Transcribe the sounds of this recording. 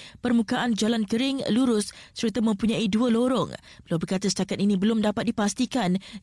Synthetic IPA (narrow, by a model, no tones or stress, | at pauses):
pərmũkaʔand͡ʒalankəɾɪŋluɾʊsːəɾət̪amə̃mpuɲãiduəloɾɔ̰ŋbəlawbərkat̪asə̥t̪akat̪inĩbəlʊmdapat̪̚dipast̪ikan